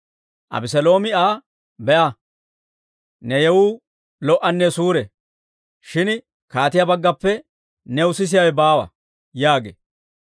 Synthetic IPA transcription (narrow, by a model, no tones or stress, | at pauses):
ʔɐ̰bɪsɛlo̞ːmɪaː | bɛʔaɐ | nɛjɛwuː | lɔʔɐnːɛsuːɾɛ | ʃɪn | kaːt̪ɪjabɐɡːɐpːɛ | nɛʊsɪs̬ɪjawɛbaːwɐ̰ | jaːɡḛː